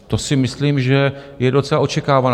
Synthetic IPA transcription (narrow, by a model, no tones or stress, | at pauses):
t̪o̞sɪmɪsliːmʒɛ | jɛdo̞t͡sɛlao̞t͡ʃɛkaːvan